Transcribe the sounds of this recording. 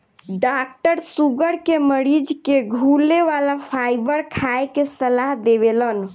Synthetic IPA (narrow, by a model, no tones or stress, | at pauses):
ɖak̚ʈəɾsuɡəɾkeməɾid͡ʒkeɡʱuleʋalapʰajbəɾkʰaekesəlaɦd̪ebelən